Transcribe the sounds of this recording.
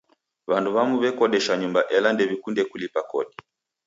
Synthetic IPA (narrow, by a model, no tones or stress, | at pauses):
βanduβamuβɛkɔɗɛʃaɲumbaʔɛlandɛβikundɛkulipakɔɗi